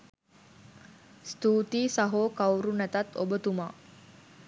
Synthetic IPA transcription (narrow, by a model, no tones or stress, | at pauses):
st̪uːt̪iːsaɦoːkawɾunæt̪at̪o̰bət̪umaː